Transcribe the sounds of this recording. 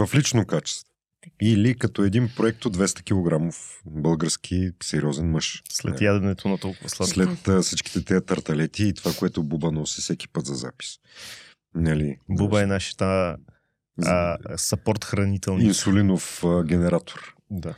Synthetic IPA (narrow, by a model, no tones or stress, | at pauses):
vɐflit͡ʃnokat͡ʃɛ̥st̪vo | ilikɐt̪ɔɛd̪inpɾoɛk̚t̪od̪vɛst̪ə̥k̟ʲilˠoɡɾamofbɤlˠɡəɾsk̟ʰisɛɾʲiɔzɛnmɤʃslɛ̰njad̪vɛnɛt̪ʰonɐt̪ɔlˠkʊvɐslˠad̪lɛt̪ːsit͡ʃki̥t̪ɛt̪ɛɐt̪ɐɾt̪ɐlɛt̪iːt̪ovakoɛt̪ʊbubənɔsisɛk̟i̥pət̪zɐza̰pi̥s | nɐlibubəɛnaʃə̥t̪ə | sɐpɔɾt̪xɾɐnit̪ɛlˠinsulinofəɡʲɛnɛɾat̪ʰo̥ɾd̪a